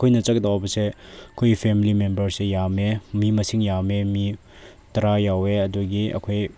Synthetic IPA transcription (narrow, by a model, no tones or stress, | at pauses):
kʰojnɐt͡ʃɐk̚dawbɐseɐkʰojɡipʰemilimembɐɾsejamemimɐsiŋjamemi | tɐɾajaweɐduɡiɐ̰kʰoj